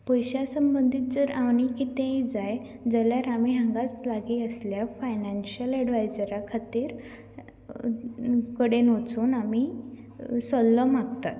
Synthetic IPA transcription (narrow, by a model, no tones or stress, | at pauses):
pɔjɕasəmbənd̪ʱiːt̪̚d͡zəɾaʋñikit̪ẽjd͡zaj | d͡zəljaɾamiːɦə̃ŋɡat͡slaɡiəsljafajnanɕəlɛɖʋajd͡zəɾakʰat̪iːɾ | kəɽenot͡suːnami | sɔlːəmaɡt̪at̪